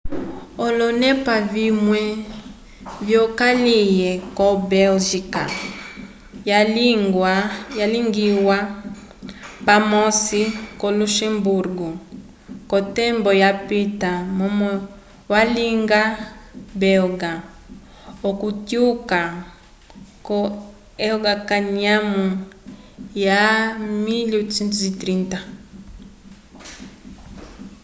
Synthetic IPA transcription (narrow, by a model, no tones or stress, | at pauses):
ɔlɔnɛpavimwɛ | vjɔkalijɛkɔbɛlʒika | jawajaliŋɡiwa | pamɔsikɔluʃɛmbuɾɡɔ | kɔtɛmbɔjapitamɔm | waliŋɡabɛɔɡa | ɔkutjuka | kɔ | ɛɡakaɲamu | jamilusɛntzitɾinta